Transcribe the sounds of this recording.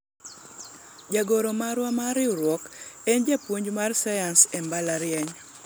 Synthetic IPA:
d͡ʒaɡoɾomaɾwamaɾɪɾwɔkend͡ʒapwoɲd͡ʒmarsajansɛmbalaɾɪɛɲ

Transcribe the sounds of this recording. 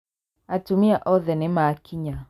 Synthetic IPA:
atumiaʔɔðɛnɪmaːkʰiɲa

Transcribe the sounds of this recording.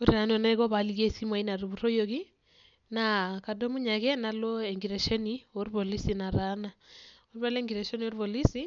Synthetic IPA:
oɾiɾanoneeɣɔβaliɣesimwainaɾiβuɾojoki | nakadomuɲakɛnalɔeŋɡiɾeʃɔnioɾiβolisinaɾanaoɾiβaleŋɡiɾaʃonioɾiβolisi

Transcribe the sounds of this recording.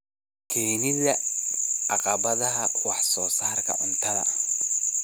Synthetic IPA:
kʰɛːjnɪðɐʔɑqɑβɐðɐɦɐwɑħsɔːsaːrkʰɐ̰ʔʊnt̪ʰɐðɐ̰

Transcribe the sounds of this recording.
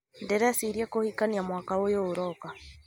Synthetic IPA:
ndɛɾɛsiɾjakohikaniamwakawojoːɾɔka

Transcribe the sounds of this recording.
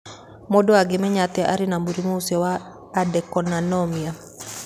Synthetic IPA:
mɔdɔaɡemɛɲat̪ɛʔa̰ɾɪnamuɾimousɛwaː | dɛkɔnanɔmia

